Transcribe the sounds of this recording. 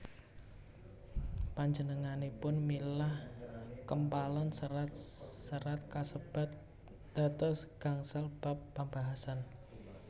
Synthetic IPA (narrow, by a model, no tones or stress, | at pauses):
paɲd͡ʒənəŋanepʊnmilahkəmpalənsəɾat̪̚səɾat̪̚kasəb̥a̤t̪̚ | d̪̥a̤t̪ɔsɡ̥aŋsalb̥apːəmbaɦasan